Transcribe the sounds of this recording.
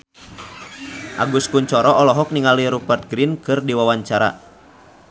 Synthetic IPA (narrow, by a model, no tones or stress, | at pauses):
ʔa̰ɡuskuɲt͡ʃɔɾɔɔlɔɦɔk̚niŋaliɾubɛrt̪̚ɡɾinkɨrdiwawaɲt͡ʃaɾa̰